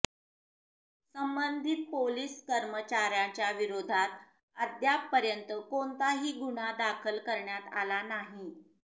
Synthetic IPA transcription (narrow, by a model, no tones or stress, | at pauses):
səmbənd̪ʱit̪̚poliːskəɾmət͡ɕaɾjat͡ɕjaʋiɾod̪ʱat̪ | əd̪jak̚pəɾjənt̪əkont̪aɦiːɡuɽ̤ad̪akʰəlkəɾɳjat̪a̰lanaɦi